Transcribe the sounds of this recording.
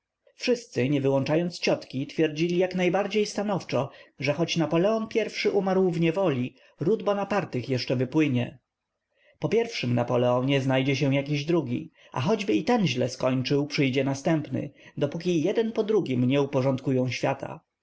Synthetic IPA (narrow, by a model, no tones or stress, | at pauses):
fʂɘst̪sɘɲɛvɘwɔnt͡ʂajɔnt̪st͡ɕɔt̪kʲit̪fʲjɛɾd͡ʑilʲijaknajbaɾd͡ʑejst̪anɔft͡ʂɔʐɛxɔt͡ɕnapɔlɛɔnpʲjɛɾfʂɘʔumaɾwvɲɛvɔlʲi | ɾud̪bɔnapaɾt̪ɘxjɛʂt͡ʂɛvɘpwɘɲɛ | pɔpʲjɛɾfʂɘmnapɔlɛɔɲɛznajd͡ʑɛɕ̬ɛw̃jak̬ʲiʑd̪ɾuɡʲḭ | ʔa̰xɔd͡ʑbɘit̪ɛnʑlɛskɔɲt͡ʂɘwpʂɘjd͡ʑɛnast̪ɛmpnɘ̰d̪ɔpukʲijɛd̪ɛnpɔd̪ɾuɡʲimɲɛupɔʐɔnt̪kujɔ̃w̃ɕfʲjat̪ʰa̰